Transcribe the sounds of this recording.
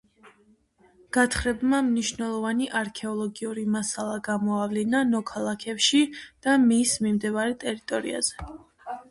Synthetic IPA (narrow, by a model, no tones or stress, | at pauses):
ɡ̥at̪ʰχɾɛbmamniʃnɛlˠɔvaniʔaɾkʰɛɔlˠɔɡiuɾimasalˠaɡamɔavlinanɔkʰalˠakʰɛpʃid̪̥amismimd̪ɛvaɾɛt̪ʼɛɾit̪ʼɔɾḭa̰z̥ɛ